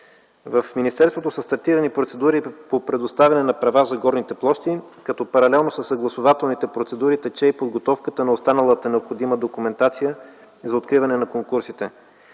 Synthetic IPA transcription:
vəfminist̪ɛɾst̪vot̪osɐst̪ɐɾt̪iɾɐnipɾot̪sɛd̪uɾipopɾɛd̪ost̪avʲɐnɛnɐpɾɐvazɐɡɔɾnit̪ɛplˠɔʃt̪ikɐt̪ɔpɐɾɐlɛlˠnosəsːɐɡlˠɐsʊvat̪ɛlˠnit̪ɛpɾot̪sɛd̪uɾit̪ɛt͡ʃɛipod̪ɡot̪ɔfkət̪ənɐost̪anəlˠət̪ənɛopxod̪iməd̪okumɛnt̪at̪sijə | zɐot̪̚kɾivɐnɛnɐkoŋkuɾsit̪ɛ

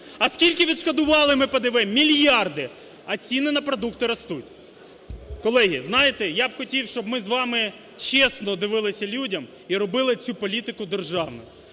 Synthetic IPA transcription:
ɐskʲilʲkɪʋʲid̪ʃkɐd̪ʊʋɑlˠɪmɪpɐd̪ɪʋɪmːʲilʲjɑrd̪ɪ | ɐt͡sʲinɪnɐpɾɔd̪ukt̪ɪɾɐst̪utʲ | kɔlˠɛɦʲiznɑjɪt̪ɛjabxɔtʲiwʃt͡ʃɔbmɪzʋɑmɪ | t͡ʃesnɔd̪ɪʋɪlˠɪsʲɐlʲudʲɐm | iɾɔbɪlˠɪt͡sʲupɔlʲit̪ɪkʊd̪erʒɑʋnɔ̰jʊ

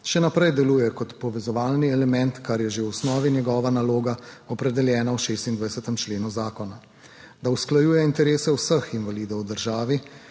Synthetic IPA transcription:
ʃɛnapɾɛjd̪ɛluːjɛkɔt̪pɔʋɛzɔʋaːlniɛlɛmɛnt̪kaɾjɛʒewɔsnɔːʋinjɛɡɔːʋanaloːɡaɔpɾɛd̪ɛljɛːnawʃeːst̪ind̪ʋajsɛt̪ɛmt͡ʃleːnuzaːkɔna | d̪ausklajuːjɛint̪ɛɾeːsɛwsəxinʋaliːd̪ɔwd̪əɾʒaːʋi

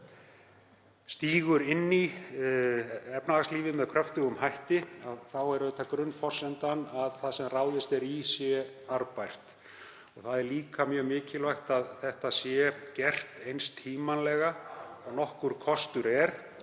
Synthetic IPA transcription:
st̪iːɣʏɾɪnːi | ɛpnaasliːvɪmɛðkʰɾœft̪ʏɣʏmhajht̪ɪaðθawɛɾʏɪt̪ʰakɾʏnːfɔr̥sɛnt̪anːaðθaðsɛmraːwðɪst̪ɛɾisjɛ | aɾpajr̥t̪ | ɔɣθaðɛɾliːkamjœːɣmɪːcɪlvajxt̪aðθɛht̪asjɛcɛr̥t̪ejnst̪ʰːiːmanlɛɣaɔɣnɔhkʏɾ̥kʰɔst̪ʏɾɛɾ̥

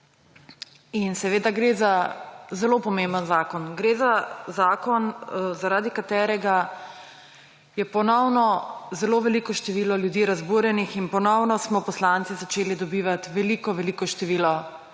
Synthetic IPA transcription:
insɛʋeːd̪aɡɾezazɛlopɔmembənzaːkɔnɡɾezazaːkɔnzaɾaːd̪ikat̪ɛːɾɛɡa | jɛpɔnɔwnɔzɛloʋɛliːkɔʃt̪ɛʋiːlɔljud̪iːɾazbuːɾjɛnixinpɔnɔwnɔsmɔpɔslant̪sizat͡ʃeːlid̪ɔbiːʋat̪ʋɛliːkɔʋɛliːkɔʃt̪ɛʋiːlɔ

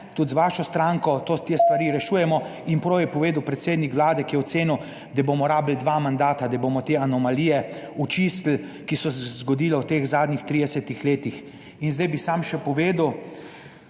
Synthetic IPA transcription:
t̪ut̪zʋaːʃɔst̪ɾaŋkɔt̪ot̪eːst̪ʋaɾiːɾɛʃuːjɛmɔinpɾoːwjɛpɔʋeːd̪əwpɾɛt̪seːd̪nikʋlaːd̪ɛkijɛɔt̪seːniw | d̪abomɔɾaːbld̪ʋaːmand̪aːt̪ad̪abomɔt̪eanɔmaliːjɛut͡ʃisl̩ | kisɔszɡɔd̪iːlɛwt̪eːxzaːd̪nixt̪ɾiːd̪ɛsɛt̪ixleːt̪ix | inzd̪ajbisaːmʃɛpɔʋeːd̪əw

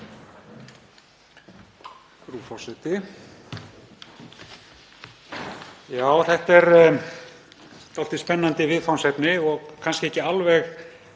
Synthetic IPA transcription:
ɾuːfɔwsɛt̪ɪ | jaːwθɛht̪ɛɾ | t̪aɔlt̪ɪspɛnːant̪ɪvɪðfawnsɛpnɪɔɣkʰanscɪɛhcɪalvɛɣ

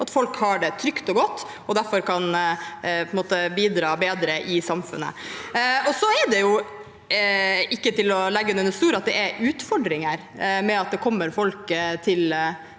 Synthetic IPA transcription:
ɑt̪fɔlkhɑɖɛt̪ʰɾʏkt̪ɔɡɔt̪ː | ɔd̪æɾfɔɾkʰɑnpʰɔnmoːt̪əbiːd̪ɾɑːbeːd̪ɾəʔɪsɑmfʉ̰nːə̰ | ɔsɔɛɖɛjʊ | ɪkːət̪ɪlɔlɛɡːəʉnɛnəst̪uːɾɑt̪̚d̪ɛʔɛɾʉːt̪fɔɖɾɪŋəɾ | mɛɑt̪̚d̪ɛkʰɔmːəɾfɔlkt̪ʰɪl

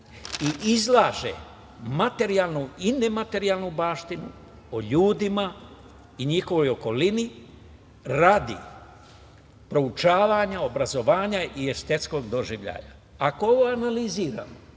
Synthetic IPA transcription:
iʔizlˠaːʒḛ | mat̪e̞ɾijalˠnuine̞mat̪e̞ɾialˠnubaːʃt̪inṵ | oʎuːd̪ima | iɲixo̞ʋo̞jo̞ko̞lini | ɾaːd̪ḭ | pɾo̞ut͡ʃaːʋaɲao̞bɾazo̞ʋaːɲaiest̪et̪sko̞ɡd̪o̞ʒiʋʎa̰ːja̰ | ako̞oʋoanaliziːɾa̰mo

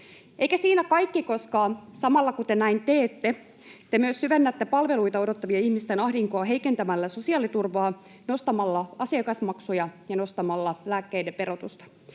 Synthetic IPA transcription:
ejkæsiːnækɑjkːiko̞skɑːsɑmɑlːɑkut̪enæint̪eːt̪ːe | t̪emyøsːyʋenːæt̪ːe̞pɑlʋe̞luit̪ɑo̞do̞t̪ːɑʋiɑihmist̪enɑhdiŋkoːɦe̞ike̞nt̪æmælːæso̞siɑːlit̪urʋɑː | no̞st̪ɑmɑlːɑɑsiɑkɑsmɑksujɑjɑno̞st̪ɑmɑlːɑlæːkːe̞idepe̞ɾo̞t̪ust̪ɑ̥

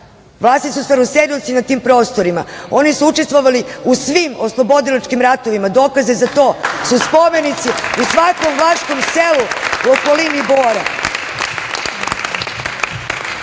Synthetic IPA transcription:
ʋlˠaːst̪isusaɾoseɾilot̪sinat̪iːmpɾo̞ːst̪o̞ɾimao̞nisuut͡ʃest̪ʋoʋaliusʋimo̞slˠo̞bo̞d̪ilat͡ʃkimɾat̪o̞ʋimad̪o̞ːkazezat̪o̞ːsuspo̞me̞nit̪siusʋakomvlˠaːʃkomseluuoko̞liniboːɾa

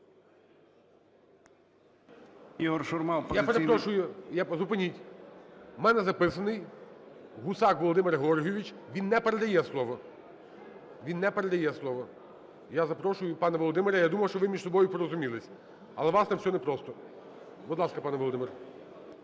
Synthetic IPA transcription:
iɦɔrʃɔrmɑlpjapeɾepɾɔʃʊjʊjazʊpenʲitʲ | mɛnɛzɐpɪsɐnɪj | ɦʊsɑkʋɔlˠɔd̪ɪmɪɾɦɔrɦijɔʋʲit͡ʃ | ʋʲinːɛpeɾed̪ɐjɛslˠɔʋɔ | ʋʲinːɛpeɾed̪ɐjɛslˠɔʋɔ | jazɐpɾɔʃʊjʊpɑnɐʋɔlˠɔd̪ɪmeɾʲɐjad̪umɐwʃt͡ʃɔʋɪmʲiʒsɔbɔjʊpɔɾɔzʊmʲilˠɪsʲ | ɐlˠɛʋɑsnɛwsʲɔnɛpɾɔst̪ɔ | bʊd̪lˠɑskɐpɑnɛʋɔlˠɔd̪ɪmɪrɾ

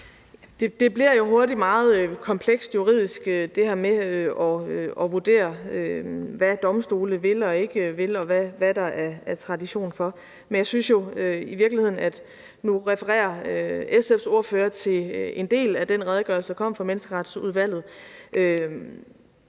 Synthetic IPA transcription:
d̥e̝d̥e̝b̥liɐjo̝ɦo̝ɐdimɑ̈ːð̞̩ˠkʰɒ̽mpʰleɡ̥sd̥juʁḭð̞̰ˠisɡ̥ød̥e̝hæɐ̰meøɒ̽ɒ̽ʋuɐd̥e̝̰ːɐøʋæd̥ɒ̽msd̥o̝ːləʋe̝lɒ̽e̝ɡ̥əʋe̝lɒ̽ʋæʋæd̥ɑ̈ʔæɐæɐt͡sʰʁɑ̈diɕo̝̰ːnfɒ̽ | menjɑ̈ɪsynsjo̝øiʋiɐɡ̥lihe̝ð̰ˠn̩æd̥ | nuʁɛfəʁɛ̰ːɐøesefso̝ɐføːɐt͡sʰe̝le̝nd̥e̝̰ːlæd̥en̰ʁɛð̞ˠɡ̥œɐlsə̥ɑ̈kʰɒ̽m̰fɑmenəsɡ̥əʁad̥suð̞ˠʋæl̰ð̞̩ˠʔø

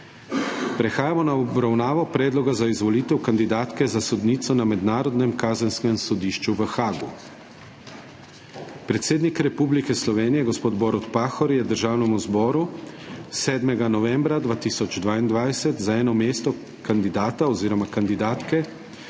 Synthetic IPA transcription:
pɾɛxaːjamɔnaɔbɾawnaːʋɔpɾɛːd̪lɔɡazaizʋɔlit̪ɛwkand̪id̪aːt̪kɛzasɔd̪niːt̪sɔnamɛd̪naːɾɔd̪nɛmkaːzənskɛmsɔd̪iːʃt͡ʃuʋəxaːɡu | pɾɛt̪seːd̪nikɾɛpublikɛslɔʋeːnijɛɡɔspoːd̪bɔːɾut̪paːxɔɾjɛd̪əɾʒaːwnɛmuzbɔːɾu | sɛːd̪mɛɡanɔʋɛmbɾad̪ʋaːt̪iːsɔd͡ʒd̪ʋaːind̪ʋajsɛt̪zaɛːnɔmeːst̪ɔ | kand̪id̪aːt̪aɔziːɾɔmakand̪id̪aːt̪kɛ

